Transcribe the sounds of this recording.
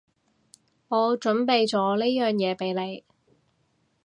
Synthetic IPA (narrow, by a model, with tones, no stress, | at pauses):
ŋɔː˨˧t͡ʃɵ˨˥npe˨˧jt͡sɔː˨˧˥le˥jjœː˨ŋjɛː˨˧pe˨˧jle˨˧j